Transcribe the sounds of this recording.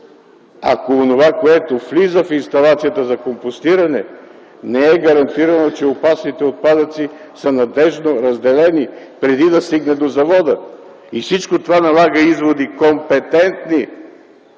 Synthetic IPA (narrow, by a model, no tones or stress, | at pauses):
a̰koːnovakoɛt̪oflizəfinst̪ɐlˠat̪sijət̪əzɐkompost̪iɾɐnɛ | nɛɛɡɐɾɐnt̪iɾɐnot͡ʃɛopasnit̪ɛot̪̚pad̪ət̪si | sənɐd̪ɛʒnoɾɐzd̪ɛlɛni | pɾɛd̪id̪ɐst̪iɡnɛd̪ozɐvɔd̪ə | ifsit͡ʃkot̪ovanɐlˠaɡəizvod̪ikompɛt̪ɛnt̪ni